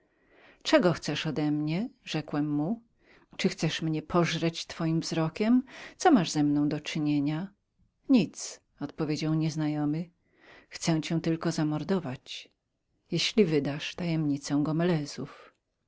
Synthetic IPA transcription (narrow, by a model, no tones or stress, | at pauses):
t͡ʂɛɡɔxt̪sɛʂɔd̪ɛmɲɛʐɛkwɛmːu | t͡ʂɨxt̪sɛʂmɲɛpʰɔʐɾɛt͡ɕt̪fɔjimvzɾɔkʲɛmt̪sɔmaʐzɛmnɔ̃w̃d̪ɔt͡ʂɘɲeɲa | ɲit̪s | ɔt̪̚pɔvʲjed͡ʑawɲɛznajɔmɘ | xt̪sɛw̃t͡ɕɛ̃w̃t̪ɘlkɔzamɔɾd̪ɔvat͡ɕ | jeɕlʲivɘd̪aʂt̪ajɛmɲit̪sɛw̃ɡɔmɛlɛzuf